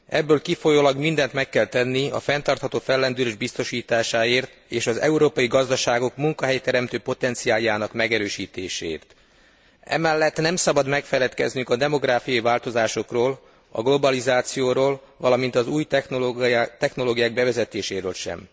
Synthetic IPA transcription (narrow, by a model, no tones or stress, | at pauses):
ɛbːøːlkifo̞joːlɒɡmind̪ɛnt̪mɛkːɛlt̪ɛnːiɒ̰fɛnt̪ɒrt̪hɒt̪oːfɛlːɛnd̪yɾeʒbist̪o̞ʃiːt̪aːʃaːeːrt̪eːʃɒzɛ̰uɾoːpɒjiɡɒzd̪ɒʃaːɡo̞kmuŋkɒɦɛjt̪ɛɾɛmt̪øːpo̞t̪ɛnt̪sijaːjaːnɒkmɛɡɛɾøːʃiːt̪eːʃḛːḭːrt̪ | ɛ̰mɛlːɛt̪ːnɛmsɒbɒd̪mɛkfɛlɛt̪kɛ̰znyŋkɒd̪ɛmo̞ɡɾaːfiɒjivaːlt̪o̞zaːʃo̞kroːl | ɒ̰ɡlo̞bɒlizaːt̪sijoːɾoːl | vɒlɒmint̪ɒzuːj | t̪ɛxno̞loːɡijaːɡ̚bɛvɛzɛt̪eːʃeːɾøːlʃɛ̰m